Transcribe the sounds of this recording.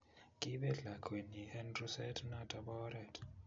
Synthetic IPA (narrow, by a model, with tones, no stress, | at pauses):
kʼi˦ɓɛ˦ɮa˨kʰʼwe˨ni˨hɛ˦ndru˦sɛ˦tʰʼna˦ta˨bɔ˦ɾɛ˨tʰ